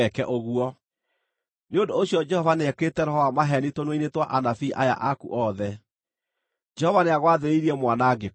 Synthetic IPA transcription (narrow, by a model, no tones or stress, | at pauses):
ɛkɛʔoɣuɔ | neondooɕjɔd͡ʒɛhɔvaneɛketɛɾɔhɔamaɦɛnitonweinetwaʔanafiʔaja̰ʔakuʔɔðɛ | d͡ʒɛhɔvaneaɣwaðeɾeiɾiɛmwanaɡe